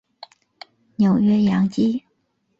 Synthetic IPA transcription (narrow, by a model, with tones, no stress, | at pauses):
njo˨˩ʊɥɛ˥jɑ˧˥ŋt͡ɕi˥